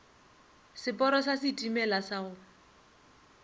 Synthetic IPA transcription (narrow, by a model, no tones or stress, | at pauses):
sɪpʼɔɾɔsasɪtʼimɛlasaʊ